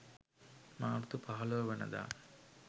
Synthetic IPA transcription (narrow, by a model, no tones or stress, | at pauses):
maːɾt̪upɐɦɐloːʋɐnɐ̰d̪a̰ː